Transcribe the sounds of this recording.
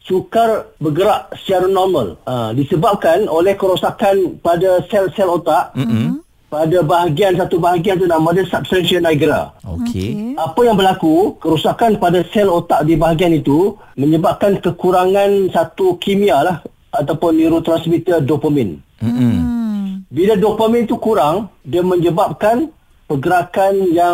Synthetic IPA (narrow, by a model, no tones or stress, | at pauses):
sukarbəɡəɾaʔsə̥t͡ʃaɾanɔrməladisəbap̚kanolɛhkəɾosakanpadasɛlsɛlot̪aʔ | padabaɦaɡiansat̪ubaɦaɡianit̪unãmadəsap̚st̪ansənːajɡɾa̰o̰kʰḛapajaŋbəlakukəɾusakanpadasɛlot̪aʔdibaɦaɡianit̪u | mə̃ɲəbap̚kankəkuɾaŋãnsat̪ukimialah | at̪apʊnːiɾut̪ɾansmit̪ədopəmɛ̃n̩ | biladopəmĩnit̪ukuɾaŋdiəmə̃ɲəbap̚kan | pəɡəɾakanja